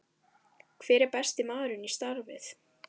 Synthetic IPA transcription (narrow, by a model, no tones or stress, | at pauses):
kʰv̥ɛːɾɪɾpɛst̪ɪmaːɾʏnist̪aɾvɪ̰θ